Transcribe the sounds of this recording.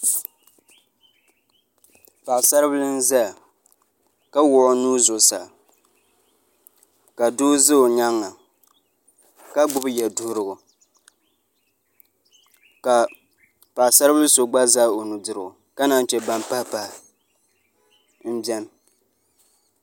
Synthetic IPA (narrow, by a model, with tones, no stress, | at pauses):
pa˨ʔsa˦ɾblɨ˦n̩˦za˦˨ | ka˦wʊ˨ʔʊ˦nuː˦zʊ˨sa˨ | ka˨du˦zɨ˦o˨ɲa˦ŋːa˨ | ka˦ɡ͡bʊ˦bjɛ˨dʊ˦hɾɨ˨ɡʊ˨ | ka˨ | pa˨ʔsa˦ɾɨ˦bɨ˦lɨ˦so˨ɡ͡ba˦za˦o˨nu˨dɨ˨ɾɨ˨ʊ˨ka˦na˦n˦t͡ʃɛ˨ba˦mpa˦pa˨ | n̩˦bɛ˦n˨